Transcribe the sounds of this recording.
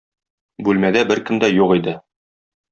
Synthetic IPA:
bʉlmæd̪æbɘɾkɘ̆md̪æjuqid̪ɘ

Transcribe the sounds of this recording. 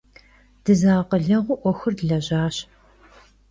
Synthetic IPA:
d̥ɨzaːqəɮɐʁʷʊʔʷɔxɨrdɮɐʑaːɕ

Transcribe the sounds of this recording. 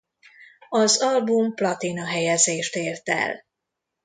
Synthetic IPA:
ɒzɒlbumplɒt̪inɒɦɛjɛzeːʃt̪eːrt̪ɛ̰l

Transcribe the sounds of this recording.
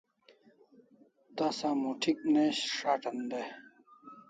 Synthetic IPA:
t̪ɐsãmuʈʰik̚neɕʂaʈʰɐnd̪e

